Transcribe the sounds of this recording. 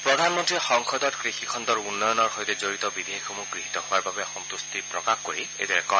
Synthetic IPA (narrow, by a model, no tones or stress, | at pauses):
pɹɔdʱanmɔntɹixɔŋkʰɔdɔtkɹixikʰɔntɔɹunːɔjɔnɔɹxojtɛzoɹitɔbidʱeixomukɹiɦitɔhʊwaɹbabɛɔxɔnt̪ustipɹɔkaxkoɹiḛjdɔɹɛkɔ